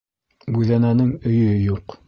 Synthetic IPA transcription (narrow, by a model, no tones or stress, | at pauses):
bʉðænænɘŋɵ̆jjuq